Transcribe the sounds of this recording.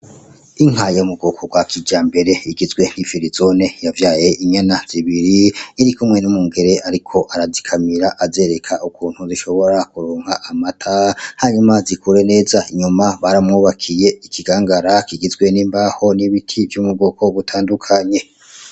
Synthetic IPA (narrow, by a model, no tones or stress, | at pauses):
iŋ̥ɦajoumuɡoːko̞ɡwakʰid͡ʒaːmbe̞ɾe̞iɡizɡwe̞n̥hifiɾizo̞ne̞javjaːje̞ʔiɲanaz̥iβiɾiːɾikumŋe̞numuːŋɡe̞ɾe̞ʔaɾikʰo̞ʔaɾazikʰamiɾaʔaze̞ɾe̞kʰaʔukuːn̥huziʃo̞βo̞ɾakuɾoːŋhaʔamatʰahaɲumazikʰuɾe̞ne̞ːzaiɲumaβaɾamŋuːβakʰije̞ikʰiɡaːŋɡaɾakiɡizɡwe̞niːmbaho̞niβitʰivjumuɡo̞kʰo̞βutʰaːndukʰaɲe̞